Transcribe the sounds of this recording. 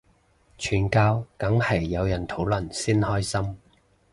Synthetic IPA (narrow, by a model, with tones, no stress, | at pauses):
t͡ʃʰyː˨˩nkaː˧wkɐ˨˥ŋhɐ˨˩jːɐ˨˧wjɐ˨˩nt̪ʰo˨˥wlɵ˨nsiː˥nhɔː˥jsɐ˥m